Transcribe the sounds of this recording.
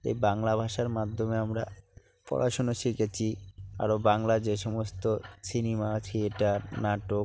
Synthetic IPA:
ḛjbaŋlabʱaʃaɾmad̪ʱːomeamɾa | pɔ̰ɾʔaʃonoʃiket͡ɕʰia̰ɾobaŋlad͡ʑeʃɔmost̪osinemaat͡ɕʰeeʈanaʈo

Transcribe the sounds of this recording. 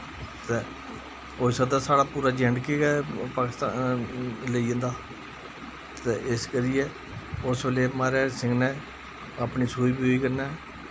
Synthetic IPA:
t̪eː | oːsəd̪aːsaːɽaːpuːɾaːd͡ʒɛ̃ːɳɖkeːɡɛːpaːkɪst̪a̰ː | ləiːə̃ːnd̪aː | t̪eːʔɪskəɾɪjeː | ʊsbeːleːmaːɾɛːsɪ̃ŋɡnɛ̃ː | əpniːsuːiːbiːoiːkəɾnɛː

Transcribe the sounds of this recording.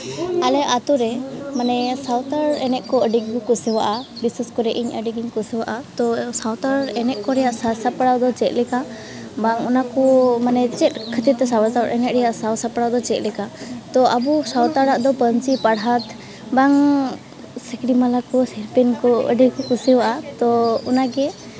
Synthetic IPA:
alɛat̪uɾɛmanɛsawt̪aɾɛnɛʔkɔəɖiɡkukusɛwaʔabisaskɔɾɛʔiɲəɖiɡiɲkusɛwaʔat̪ɔsawt̪aɾɛnɛʔ̚kɔɾɛjaʔsasapaɽawd̪ɔt͡ʃɛt̪̚lɛka | baŋɔnakɔmanɛt͡ʃɛt̪̚kʰət̪iɛsawasaɾɛnɛʔ̪̚ɾɛjaʔsawsapaɽawd̪ɔt͡ʃɛt̪ˀlɛkat̪ɔʔabusawt̪aɽaʔd̪ɔpənt͡ʃipaɽɦat̪ | baŋ | səkɽimalakɔsiɾpɛnkɔə̰ɖiɡɡukusɛwaʔat̪ɔunaɡɛ

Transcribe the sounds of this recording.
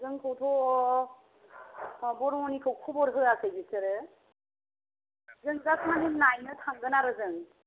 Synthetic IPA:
zɯŋkʰɯwtʰɔ | bɔɾŋɔnikʰɯwkʰubɔɾɦɯasʰɯjbisɯɾɯ | zɯŋzasʰmanɦimnajnɯtʰaŋɡɯnaɾɯzɯŋ

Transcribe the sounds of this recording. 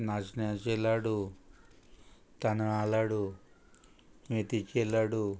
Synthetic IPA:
naːsnat͡ʃelaːɽu | t̪ɐnɐaːlaːɽu | met̪it͡ʃelːaːɽu

